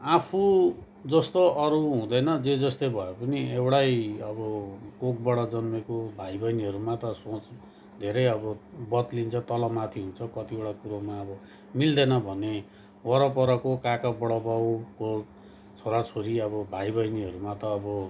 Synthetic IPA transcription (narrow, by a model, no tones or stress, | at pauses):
apʰu | d͡zʌst̪oʌɾuɦũd̪ʌjnʌd͡zed͡zʌst̪ojbʱʌepʌniewɽajʌbʌkok̚bʌɽʌd͡zʌnmekobʱajbʌjniɦʌɾumat̪ʌsõt͡s | d̪ʱeɾʌjʌbʌbʌt̪lint͡sʰʌt̪ʌlʌmat̪ʰiɦunt͡sʰʌkʌt̪ioɽakuɾomaʌbʌ | mild̪ʌjnʌbʱʌne | wʌɾʌpʌɾʌkokakabʌɽʌbawko | t͡sʰoɾat͡sʰoɾiʌβʌbʱajbʌjniɦʌɾumat̪ʌːbʌ